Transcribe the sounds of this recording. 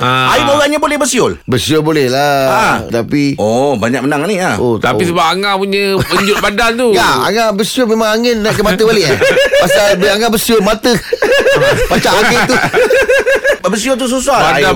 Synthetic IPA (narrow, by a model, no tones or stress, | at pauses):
aaimolaɲabolɛhbəsiʊlbəsiolbolɛhlaat̪apiobaɲak̚mənaŋaniaot̪apisəbap̚aŋãpuɲəpəɲd͡ʒʊt̪̚badant̪uŋaa̰ŋabəsiolmemãŋaŋɪnːakəmat̪əbaleʔpasabəaŋabəsiʊlmat̪ə | pat͡ʃaʔoket̪u | bəs̬iolt̪us̬usaaa